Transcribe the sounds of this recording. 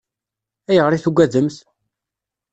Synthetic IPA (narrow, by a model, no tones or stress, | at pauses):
æjəʁɾiθuɡʷːæðəmθ